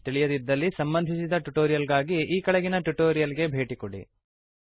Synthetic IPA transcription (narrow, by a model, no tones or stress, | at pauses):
t̪iɭijɐd̪id̪ːɐlːisɐmbɐnd̪ʱisid̪ɐʈuʈoːɾijɐlɡaːɡiʔiːkɐɭɛɡinɐʈuʈoːɾijɐlɡe̞bʱe̞ːʈikoɽḭ